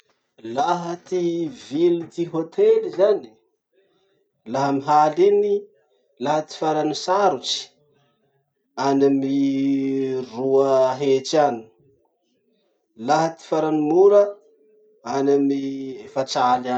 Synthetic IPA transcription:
laɦət̪ivilit̪iɦot̪ʰelizani̥ | laɦəmiɦalini | laɦət̪i̥faɾanisaɾut͡ʃi̥ | anami | ruaɦet͡ʃani̥ | laɦət̪i̥faɾanimuɾə | anamifat͡sala

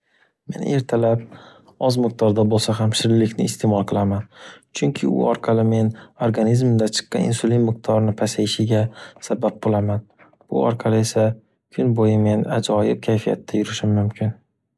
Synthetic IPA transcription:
me̞̰ne̞ɾt̪ʰalap̚ | ɒzmɪq̚t̪ɒɾd̪abolˠsaɦamʃɪɾlːɪkʲnɪːst̪ʰemɒlˠqʰɨlˠamant͡ʃʰʊŋkʲʰɪʊ̰ɒɾqʰɑlɪme̞noɾɡanizmd̪at͡ʃʰɨ̥qːɑ̰nɪ̰nsʊlinmɪq̚t̪ʰɒɾnɪpʰasajɪʃɪɡʲasabap̚bolˠaman | b̥ʊ̰ɒ̰ɾqʰɑlɪe̞sa | kʰʊnbojɪme̞nad͡ʒɒjɪb̚kʲʰajfija̰t̪ʰːajʊɾɪʃɪmːʊmkʲʰɪn

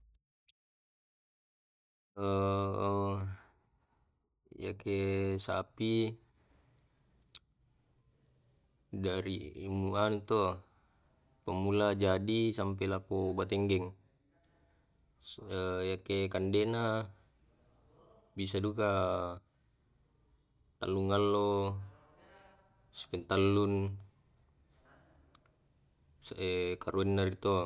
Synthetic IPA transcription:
ə | ja̰kesa̰pi | daɾiːmuanut̪o | pəmulad͡ʒadisampɛlakobat̪ɛŋɡɛŋ | əjakekandɛna | bisaduka | t̪a̰lːuŋalːo | si̥pɛnt̪alːun | sʔekaɾuɛnːaɾit̪o

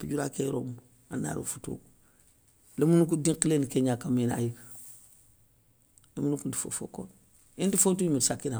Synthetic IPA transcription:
piɟuɾakejɾomu | anːa̰ːɾo̰futo̰ː | lemunuk̬udĩŋkilenikeɲakamena̰jik | lemunukunti̥fo̰fo̰ko̰n | intifotuɲmitsakːina

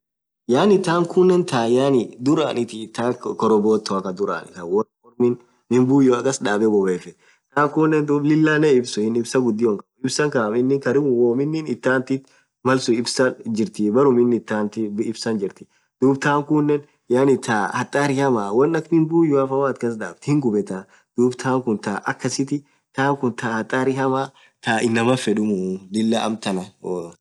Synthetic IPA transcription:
jaːnɪt̪ːaːŋkuːnːɛnt̪ʰaːjaːnɪd̪ʊɾa̰ːnɪt̪ɪːt̪ːaːkɔɾɔboːt̪ʰːɔɐkɐd̪ʊɾa̰nɪ̰t̪ɐwɔkɔɾmɪn | mɪmbuːjʊɐkʼɐsᶑaːbɛbɔbeːfɛ | t̪aːŋkuːnːɛnd̪uːblɪlːaːnɛɪbsʊɪnɪbsɐɡʊd̪ːɪɔŋkɐɪbsɐŋkamɪnːɪŋkɐɾɪmʊwɔːmɪnːɪnɪt̪ːaːnt̪ɪt̪ | mɐlsʊɪbsɐd͡ʒɪɾt̪ɪbɐɾʊmɪnːɪt̪ːaːnt̪ɪɪbsɐnd͡ʒɪɾt̪ɪ̥ | d̪̥uːbt̪aːŋkuːnːɛn | jaːnɪt̪aːhɐt̪ʼːaːɾɪhɐmaːwɐnɐknɪnbuːjʊɐfɐwaːt̪kɐs̬d̪a̰ːbt̪hɪŋɡʊbɛt̪a | d̪̥uːbt̪ʰaːŋkʊnt̪aːʔɐ̰kːɐsɪt̪ɪ | t̪aːŋkʊnt̪aːhɐt̪ʼːaːɾɪhɐmaː | t̪aːʔɪnːɐmɐfɛᶑʊmʊlɪlːaːʔɐ̰mt̪ɐnɐo

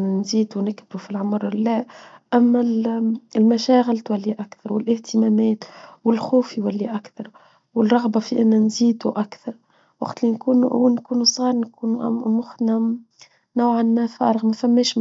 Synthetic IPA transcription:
nziːd̪wnɪkbɾufilʕʊmɾːæʔæmːæ | ɪlmæʃæːɣɪlt̪wælːiʔakθɑɾˤwɪlʔɪht̪ɪmæːmɛːt̪wɪlxuːfjwælːiʔakθɑɾˤ | wɪrˤɑɣbafiʔɪnːænziːd̪uʔakθɑɾˤ | wɑ̰ɡt̪linkuːnwnkuːnusˤɑːɾˤnkuːnmʊxt̪næ | nawʕanmæfɑɾˤɑɣmæfæmːɛːʃ

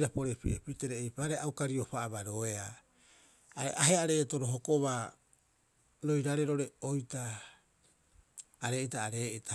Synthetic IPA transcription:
ɾapo̞ɾepḭʔepite̞ɾeːjpaːɾeawkaɾiopaʔːbaɾo̞ea | aḛʔaɦe̞aɾe̞ːto̞ɾoɦokoβa | ɾo̞jɾaɾeɾo̞ɾe̞ojta | ɾe̞ːitaːɾe̞ːʔitʰa

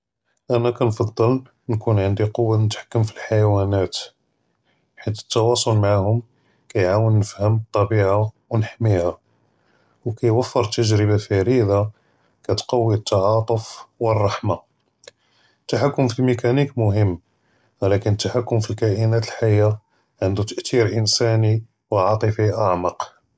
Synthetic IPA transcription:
ʔænækænfɑd̪ˤːəl | nkunʕənd̪iqowːanət̪ħḁkːəmfilħajwænæt̪ | ħit̪ə̥t̪ːɑwɑsˤolmaʕahʊm | kæjʕawənːəfhəmt̪ˤːɑbiʕa | wnəħmihæ | wkæjwəfːəɾˤt̪əʒɾəbafiɾid̪a | kæt̪qɑwːiət̪ːɑʕɑt̪ˤəfwərˤːɑħma | ət̪ːaħakːʊmfilmikænikmʊɦəmː | wlækənət̪ːaħakːʊmfilkæʔənæt̪əlħajːa | ʕənd̪ut̪əʔt̪iɾʔənsæni | wʕɑt̪ˤəfiʔaʕmɑq

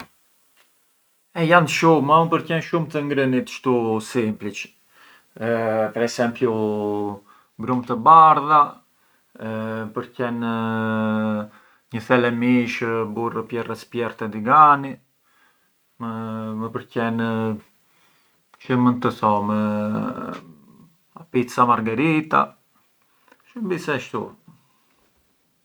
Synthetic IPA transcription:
ɛjanʃumaupəɾcɛnʃumt̪əŋɡɾənit̪ʃt̪usimplit͡ʃ | pɛɾɛsɛmpju | bɾumt̪əbaɾða | pəɾcɛn | ɲəθɛlɛmiʃburəpjɛrɛspjɛɾt̪ɛd̪iɡani | məpəɾcɛn | t͡ʃəmənt̪əθɔmə | apit̪samaɾɡaɾit̪a̰ | ʃəmbisɛʃt̪ṵ

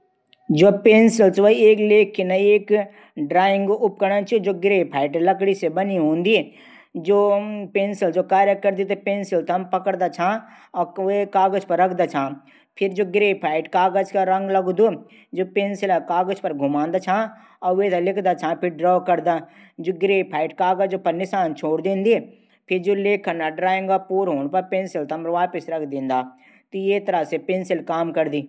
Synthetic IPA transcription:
d͡ʒoːpeːnsɪlsʋəieːkleːkʰːenɐieːk | ɖɾaːɪ̃ŋɡʊp̚kəɽnat͡ʃʰid͡ʒoːɡɾeːpʰaːɪʈlɐkɽisebɐniɦõːnd̪i | d͡ʒoːpeːnsɪld͡ʒoːkaːɾjəkəɾd̪it̪epẽːnsɪlt̪ʰɐmpɐkəɽd̪at͡ʃʰãː | ɔːʋekaːɡəd͡ʒpɐɾːɐkʰd̪at͡ʃʰãː | pʰɪɾd͡ʒoːɡɾeːpʰaːɪʈkaːɡəd͡ʒkaɾɐ̃ŋɡlɐɡd̪o | d͡ʒoːpẽːnsɪlakaːɡəd͡ʒpɐɾɡʱʊmãːnd̪aːt͡ʃʰãː | ɔːʋet̪alɪkʰd̪aːt͡ʃʰãːpʰɪɾɖɾɔːkɐɾd̪aː | d͡ʒoːɡɾeːpʰaːɪʈkaːɡad͡ʒd͡ʒopɐɾnɪsaːnt͡ʃʰoːɽd̪ĩːnd̪ie | pʰɪɾd͡ʒoːleːkʰːɐnaɖɾaːẽŋɡapuːɾɦoːnpɐɾpeːnsɪlt̪ɐmʋaːpɪsɾɐkʰd̪ĩːnd̪aː | t̪ojet̪ɐɾasepẽːnsɪlkaːmkɐɾd̪iː

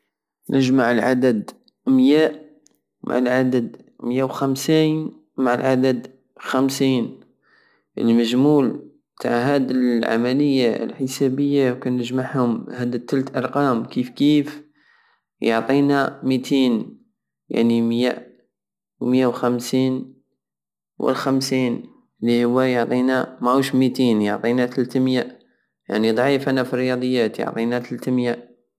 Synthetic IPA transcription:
nʔəʒmaʕəlʕa̰d̪əd̪ | mjæʔ | mʔa̰ʕəlʕad̪əd̪ | mjæwxæmsin | maʕəlʕad̪əd̪ | xæmsiːn | ʔə̰lməʒmuːlbt̪ʰa̰ʕɦæd̪ilʕa̰mæləjːaə̰lħəsæbəjːawkænəʒmaʕhʊmhæd̪ət̪ːælt̪ʔɑɾˤqɑmkifkiːf | joʕt̪ˤiːnamit̪ʰiːn | ja̰ʕnimja̰ʔ | wmjawxamsiːn | wə̰lxamsiːn | lːihʊwːajoʕt̪ˤiːnamaʔuʃmit̪iːnjoʕt̪ˤiːnat̪alt̪mjaʔ | ja̰ʕnid̪ˤʕiːfanafiɾːɪjɑd̪ˤəjːaːt̪jo̰ʕt̪ˤiːnat̪əlt̪mjaʔ

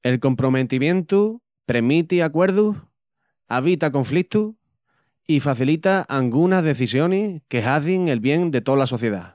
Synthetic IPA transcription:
e̞lko̞mpɾo̞me̞t̪imjẽ̞nt̪u | pɾe̞mit̪iakwe̞ɾðuh | aβ̞it̪ako̞ɱflit̪u | ifaθilit̪aʔalɡunaɦðe̞θisjo̞nihke̞ɦaθiŋe̞lβje̞ŋd̪e̞t̪o̞laso̞θje̞ða

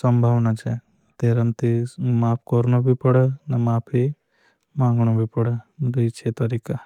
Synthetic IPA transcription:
sɐmbʱaːʋnat͡ʃɛ | t̪eːɾɐmt̪imaːp̚ʰkoɾnobʱipɐɽənɐmaːpʰɦi | mãːŋɡɳobʱipɐɽəd̪it͡ʃʰet̪ɐɾiːka

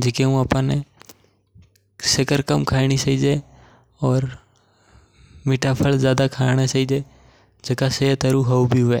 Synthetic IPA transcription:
d͡ʒeːkeũəpãːne | sekəɾkəmkʰaːɪɽ̃it͡ʃəiːd͡ʒeː | ɔːɾ | mɪʈʰapʰəlzjaːd̪akʰaːɪɽ̃at͡ʃəiːd͡ʒeː | d͡ʒekaset̪əɾuɦəubʱiɦʊʋeː

